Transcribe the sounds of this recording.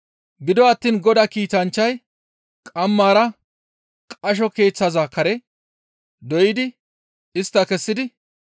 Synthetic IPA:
ɡɪd̪ɔɐt̪ːiːnɡɔd̪ɐkiːt̪ɐnt͡ʃːɐj | kʼɐmːaːɾɐ | kʼɐʃ̬ɔke̞ːt͡sːazakɐɾɛ | d̪ɔjɪd̪ɪ | ɪst̪ːɐkɛsːɪd̪ɪ

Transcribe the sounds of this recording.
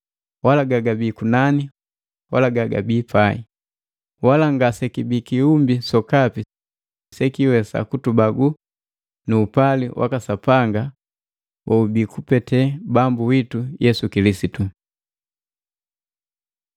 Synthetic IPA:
walaɡaɡabikunani | walaɡaɡa̰biːpʰai | walaŋɡasɛkibikiumbisɔkapi | sɛkiwɛsa̰kutubaɡu | nuːpaliwʔa̰kasapaŋɡa | wʔɔubiːkupɛtɛbambuwitujɛsukilisitu

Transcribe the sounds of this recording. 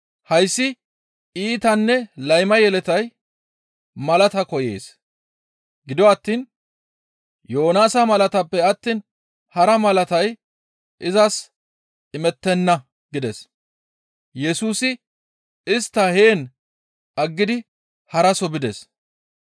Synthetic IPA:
hɐjsːɪ | iːt̪ɐnːɛlɐjmɐjɛlɛt̪ɐj | mɐlɐt̪ɐkɔjeːs | ɡɪd̪ɔwɐt̪ːiːn | jo̞ːnaːsɐmɐlɐt̪ɐpːɛɐt̪ːiːn | hɐɾɐmɐlɐt̪ɐj | ʔɪzɐs | ɪmɛt̪ːɛnːɐ | ɡɪd̪ɛs | jɛsuːsɪ | ɪst̪ːɐheːn | ɐɡːɪd̪ɪ | hɐɾɐsɔbɪd̪ɛs

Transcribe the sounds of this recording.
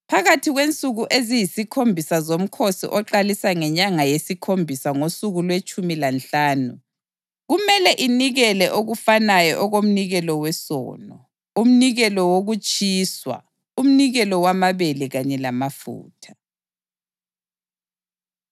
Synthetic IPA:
pʰaɣatʰiɣwent͡sʼuɣuʔezijisikʰombʱisazom̩kʰosḭʔɔǃalisaŋɛɲaŋajesikʰombʱisaŋosuɣulwet͡ʃʼumilanɬaːnṵ | ɣumɛlɛʔiniɣɛlɛʔoɣufanajɔʔɔɣom̩niɣɛlɔwɛsɔ̰ːnɔ | um̩niɣɛlɔwoɣut͡ʃʼiːswa̰ | um̩niɣɛlɔwamaβelɛɣaɲɛlamafṵːtʰḁ

